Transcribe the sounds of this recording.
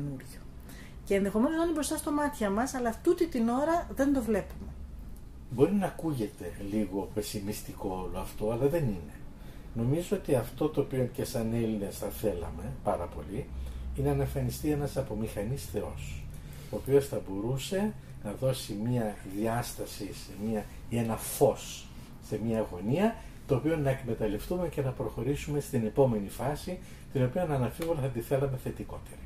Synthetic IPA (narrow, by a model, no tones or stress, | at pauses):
nuɾʝo | ce̞ːnðe̞xo̞menoznɐinibɾost̪ɐst̪omɐt̪çɐmɐsɐlɐft̪ut̪it̪ino̞ɾɐðe̞nd̪o̞vle̞pume | bo̞ɾinɐːkuʝe̞t̪e̞liɣo̞pe̞simist̪iko̞olo̞ɐft̪o̞ɐlɐðe̞nine̞ | no̞mizoot̪iɐft̪o̞t̪o̞ːpionce̞sɐne̞line̞sθɐθe̞lɐ̰me̞pɐɾɐpo̞̰liinenɐeɱfɐnist̪ie̞nɐsɐpo̞mixɐnisθe̞o̞̰s | o̞ːpio̞sθɐbo̞ɾuse̞ | nɐðo̞simiɐðiɐst̪ɐsisemiɐ | enɐfo̞sː | e̞mɲɐːɣo̞niɐ | t̪o̞ːpio̞nɐekme̞t̪ɐle̞ft̪ume̞ce̞nɐpɾo̞xo̞ɾisume̞st̪ine̞po̞me̞nifɐsi | t̪ino̞pionɐnɐfivonθɐt̪iθe̞lɐme̞θe̞t̪iko̞t̪eɾi